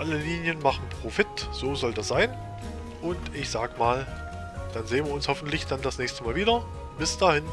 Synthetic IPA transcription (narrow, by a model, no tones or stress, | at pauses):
ʔaləliːnjənmaχn̩pʁ̥ofɪtz̥oːzɔldasz̥aɪn | ʔʊntʔɪçz̥aːɡəmaːl | d̥anzeːənviːɐʊnshɔfn̩tlɪçd̥andasnɛːçstəmaːlviːdɐ | b̥ɪsd̥aːhɪn